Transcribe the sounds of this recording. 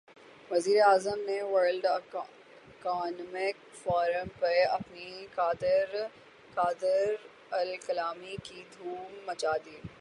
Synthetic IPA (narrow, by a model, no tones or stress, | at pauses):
ʋɐziːɾeaːzəmneʋəɾlɖ | kaːnmɪk | fɔːɾəmpɐɾɐ̰pnikaːd̪ɪɾ | kaːd̪ɪɾ | ɐlkɐlaːmikid̪ʱuːmːɐt͡ʃaːd̪iː